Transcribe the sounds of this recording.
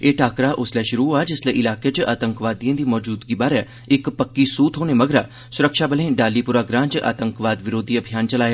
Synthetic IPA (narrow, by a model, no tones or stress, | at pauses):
eːʈʰaːkɾaʔʊslɛʃʊɾuaːd͡ʒɪsleʔɪlaːket͡ʃaːt̪ə̃ŋkʋaːd̪iãːd̪iːmɔːd͡ʒuːd̪ɡibaːɾɛ | ɪkpəkːisuːt̪ʰɦoːnemɐɡɾaː | sʊɾəkʃaːbəlẽɖaːlːipʊɾaːɡɾãːnt͡ʃʔa̰ːt̪ə̃ŋkʋaːd̪ʋɪɾoːd̪ʱiɐbʱijaːnt͡ʃɐlaːja